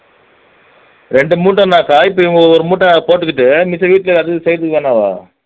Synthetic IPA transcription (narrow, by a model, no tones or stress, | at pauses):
ɾɛɳɖɯmuːʈːɐ̃naːkaːɪpːɐɪŋɡɐɔɾɯmuːʈːɐ̃poːʈːɯkːɪʈːɯmɪsɐʋiːʈːɪlɐɐðɯɯsɛjɾt̪̬ːɯkːɯʋɐnːaːʋa̰ː